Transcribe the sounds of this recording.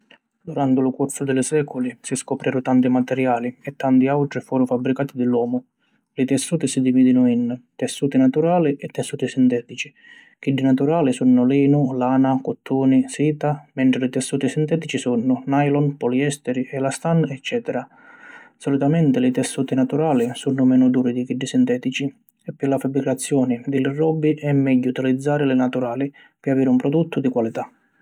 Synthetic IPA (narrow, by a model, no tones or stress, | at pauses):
d̪uɾant̪ɪlʊkuɾsʊd̪ɪlɪsɛːkʊlisiskɔpɾʔɛːɾʊt̪ant̪imat̪ɛɾjaːliɛt̪ːant̪iawʈɾifuːɾʊfabːɾikaːt̪ɪd̪ɪlwɔːmʊ | lɪt̪ɛsːuːt̪ɪsid̪iviːd̪inʊint̪ɛsːuːt̪ɪnat̪uɾaːliʔɛt̪ːɛsːuːt̪isint̪ɛːt̪it͡ʃi̥ | k̟iɖːinat̪uɾaːlisunːʊliːnʊlaːnakɔt̪ːuːnisiːt̪amɛɳʈ̪ɾɪlɪt̪ɛsːuːt̪isint̪ɛːt̪it͡ʃisunːʊnajlɔnpɔliɛst̪ɛɾiʔɛlast̪anɛt͡ʃːɛːt̪ɛɾa | sɔlit̪amɛnt̪ɪlɪt̪ɛsːuːt̪inat̪uɾaːlisunːʊmɛːnʊd̪uːɾid̪ikiɖːɪsint̪ɛːt̪it͡ʃi | ɛpːɪlafabːɾikat̪sːjɔːnɪd̪ɪlɪrɔbːiʔɛmːɛɟːuut̪ilid̪zːaːɾɪlɪnat̪uɾaːli | pɪaviːɾɪumpɾɔd̪ut̪ːʊd̪ikwalit̪a